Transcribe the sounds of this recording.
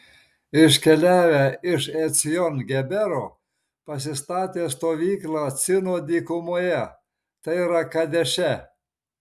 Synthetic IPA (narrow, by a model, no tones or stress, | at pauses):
ɪʃkʲɛlʲæːʋʲæɪʃɛt̪sʲɪjɔnɡʲɛbʲɛɾoː | pɐs̬ʲɪst̪ɑːt̪ʲeːst̪oːʋʲiːklˠɑːt̪sʲɪnoːd̪ʲiːkʊmoːjɛ | t̪ɐɪiɾɐkɐd̪ʲɛʃʲɛ